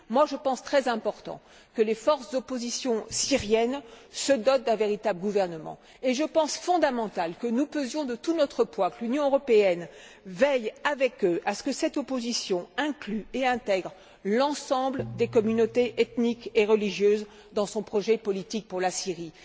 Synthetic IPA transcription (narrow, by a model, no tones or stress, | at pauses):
mwaʒəpɑ̃st̪χɛzɛ̃pɔʁt̪ɑ̰̃ | kəlefɔʁsd̪opozisjɔ̃siʁjɛnsəd̪ɔt̪̚d̪ɛ̃veʁit̪abləɡuvɛʁnəmɑ̰̃ | eʒəpɑ̃sfɔ̃d̪amɑ̃t̪alkənupøzjɔ̃d̪ət̪unɔt̪χəpwãkəlynjɔ̃øʁɔpeɛn | vɛjavɛkøʔasə̥kəsɛt̪opozisjɔ̃ɛ̃klyeɛ̃t̪ɛɡʁ | lɑ̃sɑ̃bləd̪ekɔmynot̪eʔet̪nikeʁəliʒjøz | d̪ɑ̃sɔ̃pχɔʒɛpɔlit̪ik̚puʁlasiʁi